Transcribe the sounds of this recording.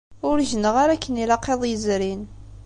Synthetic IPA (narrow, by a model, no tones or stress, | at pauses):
ʊɾʒənəʁaɾakːənilɑqːeðˤjəzɾin